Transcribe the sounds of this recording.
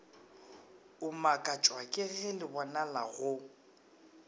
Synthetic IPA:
ʊmakʼat͡ʃʼwakʼɪɣɛlɪbɔnalaɣʊ

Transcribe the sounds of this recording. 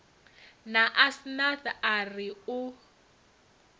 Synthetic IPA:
naʔasnaθaariʊ

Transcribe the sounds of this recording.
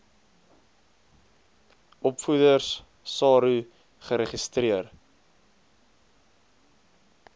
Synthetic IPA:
ʔɔpfudərs | sɑːɾu | χəɾəχistriər

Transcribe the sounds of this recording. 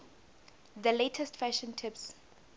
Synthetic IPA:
ðəletʰɛstfæʃɔ̃ntʰɪps

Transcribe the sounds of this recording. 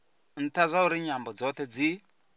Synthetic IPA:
n̩tazʷauɾiɲambud͡zoted͡zi

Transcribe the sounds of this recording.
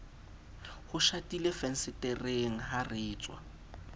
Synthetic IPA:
hʊʃatilefɛn̩sɪtɪreŋ̩ɦarɪːt͡sʼwa̰

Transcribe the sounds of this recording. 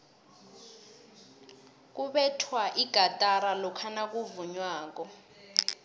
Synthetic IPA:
k̬uɓɛtʰwaʔiɡ̥ʱatʼaɾalɔkʰanak̬ʼuvuɲwaːk̬ɔ

